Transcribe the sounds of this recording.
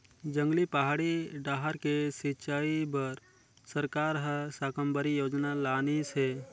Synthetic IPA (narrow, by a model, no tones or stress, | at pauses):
d͡ʒə̃ŋɡlipaɦaːɽiɖaːɦəɾkesɪt͡ʃaːibəɾ | səɾkaːɾɦəsaːkəmbəɾijoːd͡ʒnalaːnisɦɛː